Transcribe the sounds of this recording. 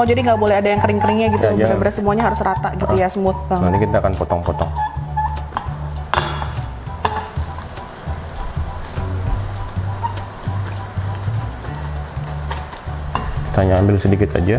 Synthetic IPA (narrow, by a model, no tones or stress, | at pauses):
ɔd͡ʒadiŋɡaʔbolɛhadajaŋkəɾɪŋkəɾɪŋɲaɡit̪uabəɾasəmuaɲaɦaɾʊsrat̪aʔɡit̪ujasəmʊt̪̚baanikit̪aːkanpɔt̪ɔŋpɔt̪ɔŋ | t̪aɲaːmbɪlsədikɪt̪a̰d͡ʒa